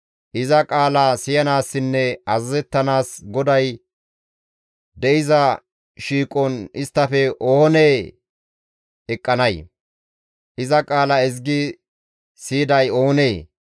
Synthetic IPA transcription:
ʔɪzɐkʼaːlɐsɪjɐnaːsːɪnːɛɐzɐzɛt̪ːɐnaːsɡɔd̪ɐj | d̪ɛʔɪzɐ | ʃiːkʼɔnɪst̪ːɐfɛʔohɔneː | ɛkʼːɐnɐj | ʔɪzɐkʼaːlɐɛzɡɪ | siːd̪ɐjoːneː

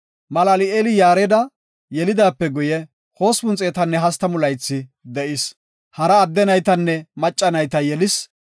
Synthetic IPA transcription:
mɐlɐlɪeːlɪjaːɾɛd̪ɐ | jɛlɪd̪aːpːɛɡʊjɛ | ho̞ːspʊnt͡sʼeːt̪ɐnːɛɦɐst̪ːɐmʊlɐjt͡sːɪd̪ɛʔɪs | hɐɾɐːd̪ːɛnɐjt̪ɐnːɛmɐt͡ʃʼːɐnɐjt̪ɐjɛlɪs

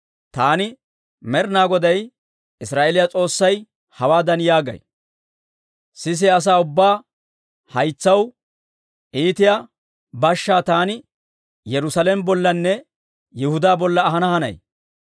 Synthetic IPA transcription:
t̪aːnɪ | mɛɾnaːɡɔd̪ɐj | ɪsɾaːʔelɪjat͡sʼo̞ːsːɐj | hɐwaːd̪ɐnjaːɡɐ̰j | sɪs̬ɪɐs̬aːʊbːaː | hɐjt͡sːɐw | ʔiːt̪ɪja | bɐʃːaːt̪aːnɪ | jɛɾʊsɐlɛmbɔlːɐnːɛ | jɪhʊd̪aːbɔlːɐːɦɐnɐhɐnɐ̰j

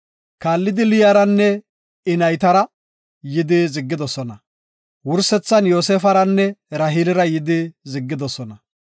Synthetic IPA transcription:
kaːlːɪd̪ɪlɪjaɾɐnːɛ | ɪnɐjt̪ɐɾɐ | jɪd̪ɪzɪɡːɪd̪ɔsɔnɐ | wʊɾsɛt͡sːɐnjo̞ːs̬eːfɐɾɐnːɛɾɐɦilɪɾɐjɪd̪ɪzɪɡːɪd̪ɔsɔnɐ

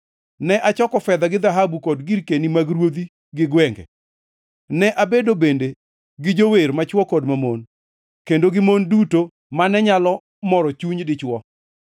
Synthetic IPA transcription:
nɛʔat͡ʃɔkɔfɛd̪aɡɪd̪aɦabukɔdɡiɾkenimaɡɾwod̪i | ɡɪɡwɛŋɡɛ̰ | nɛʔabedobende | ɡɪd͡ʒoweɾmat͡ʃwɔkɔdmamon | kendoɡɪmonduto | manɛɲalɔ | mɔɾɔt͡ʃuɲdɪt͡ʃwɔ

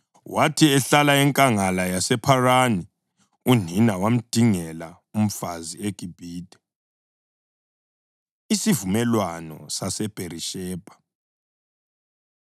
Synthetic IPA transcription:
watʰiɛɬalaɛŋkʼaŋalajasɛpʰarani | uninawam̩d̥ʱiŋɛla | um̩fazieɡ̥ʼʱib̥ʱiːd̥ʱɛ̥ | isivumɛlwanɔ̰sasɛb̥ʱeɾiʃɛːb̥ʱḁ

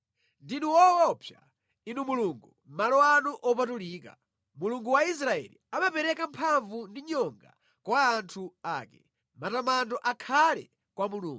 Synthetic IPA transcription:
ndinuwɔːpʰja | inumuluŋɡu | malɔanuʔɔpatuliːka | muluŋɡuwais̬ɾaɛ̰lḭamapɛɾɛkampʰaɱvundiɲɔŋɡa̰ | kwaːntʰuaːkɛ | matamandɔʔakʰalɛ̰ | kwamuluːŋɡ

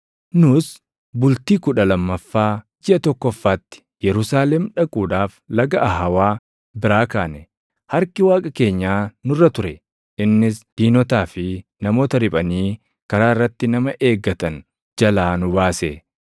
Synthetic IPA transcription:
nʊs | bʊlt̪iːkʊᶑɐlɐmːɐfːaː | d͡ʒɪʔɐt̪ɔkːɔfːaːt̪ːɪ̥ | jɛɾʊsaːlɛmᶑɐkʼuːᶑaːflɐɡɐʔɐɦɐwaː | bɪɾaːkaːnɛ | hɐɾkɪwaːkʼɐke̞ːɲːaːnʊrːɐt̪ʊɾɛ | ɪnːɪsd̪̥iːnɔt̪aːfɪnɐmo̞ːt̪ɐɾɪpʼɐniː | kɐɾaːɪrːɐt̪ːɪnɐmɐʔeːɡːɐt̪ɐn | d͡ʒɐlaːnʊbaːse

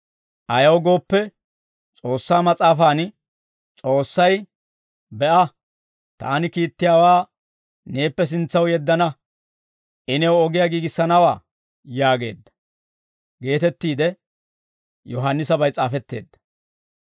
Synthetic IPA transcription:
ʔɐjɐwɡo̞ːpːɛ | t͡sʼo̞ːsːaːmɐt͡sʼaːfaːn | t͡sʼo̞ːsːɐj | bɛʔɐ | t̪a̰ːnɪkiːt̪ːɪjaːwaː | ne̞ːpːɛs̬ɪnt͡sːɐwjɛd̪ːɐnɐ | ʔɪnɛwɔɡɪjaɡiːɡɪsːɐnɐwa̰ː | jaːɡe̞̰ːd̪ːɐ̥ | ɡe̞ːt̪ɛt̪ːiːd̪ɛ | jɔɦanːɪsɐbɐjt͡sʼaːfɛt̪ːe̞̰ːd̪ːɐ̥

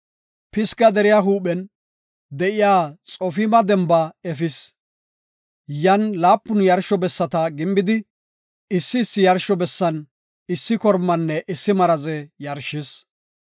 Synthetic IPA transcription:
pɪskɐd̪ɛɾɪjaɦuːɓɛn | d̪ɛʔɪjaːt͡sʼɔfɪmɐd̪ɛmbɐɛfɪs | jɐnlaːpːʊnjɐɾʃɔbɛsːɐt̪ɐɡɪmbɪd̪ɪ | ɪsːɪːsːɪjɐɾʃɔbɛsːɐn | ɪsːɪkɔɾmːɐnːɛʔɪsːɪmɐɾɐzɛjɐɾʃɪs

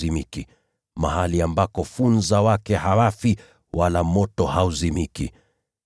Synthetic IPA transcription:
imiki | ma̰haliambakɔfunzawakɛhawafi | walamɔtɔhauzimikḭ

